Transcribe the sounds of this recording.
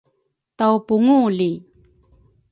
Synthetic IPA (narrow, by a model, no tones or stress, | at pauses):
tawpuŋuli